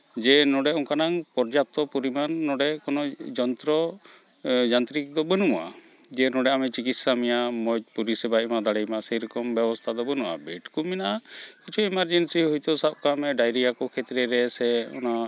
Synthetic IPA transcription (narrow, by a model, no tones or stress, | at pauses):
d͡ʒɛnɔɖɛɔŋkanaŋpɔɾd͡ʒap̚t̪ɔpuɾimanːɔɖɛkɔnɔd͡ʒɔnt̪ɾɔ | d͡ʒant̪ɾikd̪ɔbənumaʔa̰ | d͡ʒɛnɔɖɛamɛt͡ʃikit̪samijamɔt̪̚puɾisibaimad̪aɽɛjmasɛjɾɔkɔmbɛbɔst̪ʰad̪ɔbənuʔa̰bɛʈkuminaʔakit͡ʃʰuɛmaɾd͡ʒensiɦujt̪ɔsab̚kamɛɖajɾijakɔkʰɛt̪ɾɛɾɛsɛɔ̰na